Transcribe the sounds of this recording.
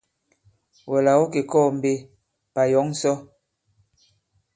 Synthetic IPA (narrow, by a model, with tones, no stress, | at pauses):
wɔ˨la˨wo˦ke˨kɔː˦˨m̩˨be˦ | pa˨jɔ˨˦ŋ˦sɔ˦